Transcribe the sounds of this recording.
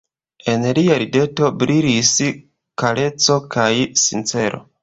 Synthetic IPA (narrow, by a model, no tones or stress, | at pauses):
e̞nliaɾide̞to̞bɾiɾis | kale̞t͡so̞kajsint͡se̞ɾʔo̞̰